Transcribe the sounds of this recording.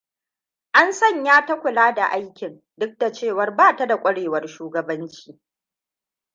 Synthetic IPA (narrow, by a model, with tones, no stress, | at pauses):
ʔa˦nsɐ˦˨ɲjaː˦tɐ˦kʷʊ˨laː˦da˨ʔa˦jkʲɪ˨n | dʊ˦k̚da˨t͡ʃeː˦˨wɐ˨rbaː˦˨ta˦da˨kʷʼɐ˦ɽeː˨wɐ˨rʃuː˦ɡɐ˨bɐ˦nt͡ʃi̥ː˦